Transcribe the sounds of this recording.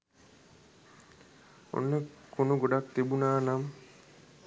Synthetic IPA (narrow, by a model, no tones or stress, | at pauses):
o̰nːəkonuɡoɖak̚t̪ibunaːnam